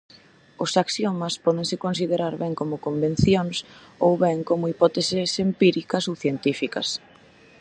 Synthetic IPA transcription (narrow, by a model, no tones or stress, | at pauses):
ʊsaksjɔmɐspɔðeŋsɪkonsiðeɾaɾβɛŋkomʊkombẽn̟θjoŋs | owβɛŋkomʊipɔt̪esɪsempiɾikɐsowθjent̪ifikɐ̰s